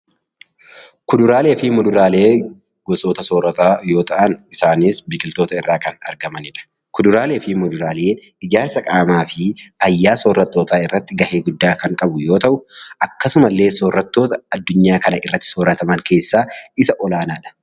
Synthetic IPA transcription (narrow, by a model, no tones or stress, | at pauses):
kʊd̪ʊɾaːle̞ːfɪmʊd̪ʊɾaːle̞ː | ɡ̥ɔsʼoːt̪ɐsɔːrɐt̪aːjo̞ːt̪ɐʔɐnɪsaːniːsbɪkʼɪlt̪o̞ːt̪ɐɪrːaːkɐnɐ̰ɾɡɐmɐnɪᶑɐ̥ | kʊd̪ʊɾaːle̞ːfɪmʊd̪ʊɾaːle̞ːn | ɪd͡ʒaːsɐkʼaːmaːfɪfɐjːaːsɔrːɐt̪ːoːt̪aːɪrːɐt̪ːɪɡɐheːɡʊd̪ːaːkɐŋkʼɐbʊjo̞ːt̪ɐʔʊʔɐkːɐsʊmɐlːe̞ːsɔrːɐt̪ːo̞ːt̪ɐɐd̪ːʊɲːaːkɐnɐʔɪrːɐt̪ːɪ̥sɔːrːɐt̪ɐmɐŋke̞ːsːaːɪsɐʔɔlaːnaːᶑɐ̥